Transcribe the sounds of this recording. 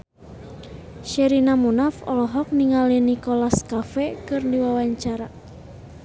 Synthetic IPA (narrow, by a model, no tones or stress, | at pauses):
ʃɛɾinamunafɔ̰lɔɦɔk̚niŋalinikolaskafɛkɨrdiwawaɲt͡ʃaɾa